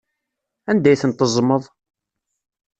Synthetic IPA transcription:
ænd̪æjθənt̪əzˤməðˤ

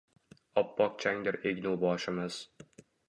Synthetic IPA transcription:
ɒpːɒq̚t͡ʃʰaŋd̪ɪɾeɡʲnulˠbɒːʃɪmɨz̥

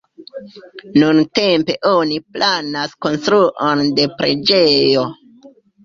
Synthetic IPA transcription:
nunte̞mpe̞ʔo̞niplʔanasko̞nstɾuʔonde̞pɾe̞̰d͡ʒe̞jo̞

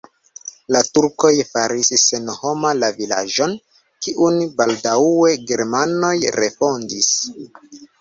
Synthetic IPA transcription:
latuɾko̞jfaɾisse̞nho̞malavila̰ʒo̞n | kiʔunbaldawe̞ɡe̞ɾmano̞jɾefo̞ndis

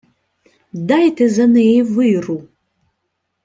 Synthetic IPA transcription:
dajtʰɐzɐnɨejvɨjru

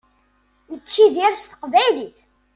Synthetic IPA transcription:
jət͡ʃːiðiɾst̪ə̥qvæjliθ

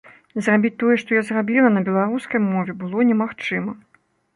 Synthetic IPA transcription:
zrabʲit͡sʲt̪ɔjɛʂt̪ɔjazrabʲilˠɐnɐbʲɛlˠaɾuskɐjmɔvʲɛbɨlˠɔnʲɛmaxt͡ʂɨmɐ

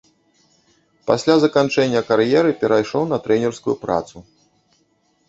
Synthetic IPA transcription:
pasʲlʲazɐkant͡ʂɛnʲːɐkaɾjɛɾɨpʲɛɾajʂɔwnɐt̪ɾɛnʲɛrskujupɾa̰t̪su

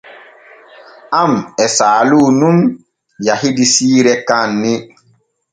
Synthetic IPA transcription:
amɛsaːlunũm | jahidisiːɾɛkanːɪ

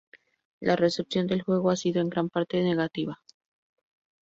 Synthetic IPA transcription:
lʔare̞se̞psjo̞nd̪e̞lxwe̞ɣ̞o̞asiðo̞e̞ŋɡɾampaɾt̪e̞ne̞ɣat̪iβa

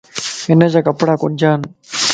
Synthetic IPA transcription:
ɪnəd͡ʑaːkəpɽaːkʊnd͡ʑaːn

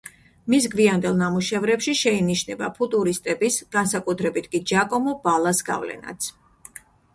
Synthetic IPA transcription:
misɡviand̪ɛlˠnamuʃɛvɾɛpʃiʃɛiniʃnɛba̰pʰut̪ʼuɾist̪ʼɛbisɡ̥ansakʼut̪ʰɾɛbit̪ʰkʼid͡ʒakʼɔmɔbalˠasɡa̰vlɛ̰na̰t̪sʰ

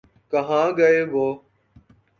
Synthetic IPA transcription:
kəɦãːɡəeːbʱoː

